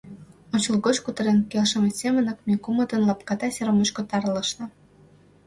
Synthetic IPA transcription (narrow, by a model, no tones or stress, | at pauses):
ot͡ɕəlɣot͡ɕkut̪ə̆ɾenkelʃə̆mesemə̆nɤ̆k̚mekumə̆t̪ənlɑp̚kɑt̪ɑseɾomot͡ɕkot̪ɑrlə̆ʃnɤ̆